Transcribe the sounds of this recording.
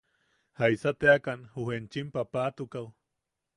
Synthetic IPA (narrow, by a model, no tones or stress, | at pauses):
haisat̪eakanhuhent͡ʃimpapaːt̪ukaw